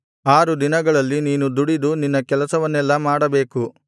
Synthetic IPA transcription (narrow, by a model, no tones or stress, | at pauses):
aːɾud̪inɐɡɐɭɐlːiniːnud̪uɽid̪uninːɐkɛlɐsɐʋɐnːɛlːɐmaːɽɐbe̞ːku